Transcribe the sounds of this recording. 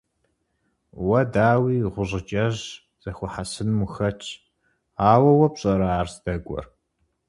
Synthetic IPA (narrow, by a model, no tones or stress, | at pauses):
wɐdaːwiːʁʷʊʑɪd͡ʒʼɐʑ | z̥ɐxʷɔħasɨnmʊxɐt͡ʃʰʼ | aːwɐwɐpɕʼɐɾɐaːrzdɐɡʷʼɔ̰r